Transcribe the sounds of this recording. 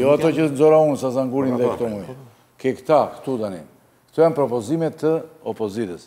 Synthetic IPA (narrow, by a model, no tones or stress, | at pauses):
jɔat̪ɔcənzɔɾaunsazaŋɡuɾinðɛkt̪ɔmuj | kɛkt̪akt̪ud̪anḭn | kt̪ujanpɾɔpɔzimɛt̪ʰːəɔpɔzit̪əs